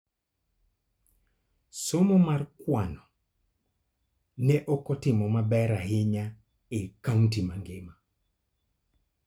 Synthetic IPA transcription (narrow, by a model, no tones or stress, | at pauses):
somomarkwanɔ | nɛʔɔkɔtɪmɔmabɛɾaɦɪɲa | ekauntimaŋɡɪma